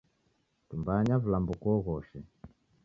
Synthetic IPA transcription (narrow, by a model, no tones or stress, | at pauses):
tumbaɲavulambukɔɣɔʃɛ